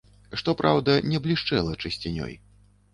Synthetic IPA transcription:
ʂt̪ɔpɾʔawd̪ɐnʲɛblʲiʂt͡ʂɛlˠɐt͡ʂɨsʲt͡sʲinʲɔ̰j

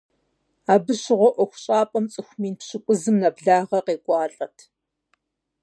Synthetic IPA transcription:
aːbɨɕɪʁʷɔʔʷɔxʷɕʼaːpʼɐmt͡sʼɨxʷmiːnpɕɪkʷʼʊzɨmnɐbɮaːʁɐqeːkʷʼɑːɬʼɐtʰ

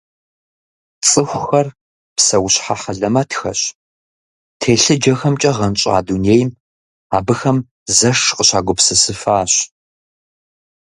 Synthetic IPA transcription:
t͡sʼɨxʷxɐr | psɐwʊɕħaħɐɮɐmɐtʰxɐ̰ɕ | tʰeːɬɨd͡ʒɐxɐmt͡ʃʼɐʁɐnt͡ʃʼa̰ːduːneːjm | aːbɨxɐm | zɐʂqəɕaːɡʷʊpsɨsɨfaːɕ

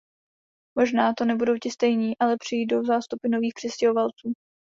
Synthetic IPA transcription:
mo̞ʒnaːt̪o̞nɛbudo̞wcɪst̪ɛjɲiːʔalɛpr̥ɪjiːd̪dozaːst̪upɪno̞viːxpr̥ɛscɛɦovalt͡suː

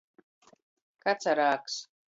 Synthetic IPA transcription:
kat͡sʰaɾaːks

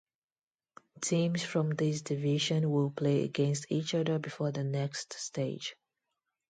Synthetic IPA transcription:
tʰĩmsfɹɔ̃mðɪsdɪvɪʒə̃nwɪlˠpʰl̥eɪə̰ɡɛ̃nstʰit͡ʃʌðə˞bɨfɔðənɛkststeɪ̥d͡ʒ

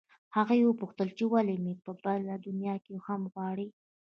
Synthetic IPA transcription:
haɣajewəpuxt̪əlt͡ʃewalemepəbalad̪ʊnjɑkexamɣwɑɽi

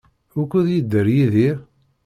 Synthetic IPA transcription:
ʊkːuðjid̪ːəɾjiði

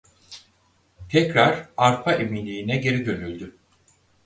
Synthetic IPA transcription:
t̪ʰɛcɾaɾaɾpʰaʔeminlʲiːinɛɟe̞ɾid̪ø̞nylʲd̪y

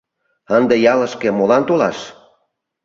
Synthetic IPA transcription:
ənd̪ejɑlə̆ʃkĕmolɑnt̪olɑʃ

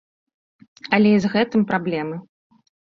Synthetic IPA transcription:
ɐlʲɛizɣɛt̪ɨmpɾablʲɛmɨ

